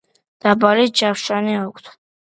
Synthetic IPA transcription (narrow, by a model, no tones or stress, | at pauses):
d̪̥abaɾid͡ʒafʃaniakʷʰʼt̪ʰ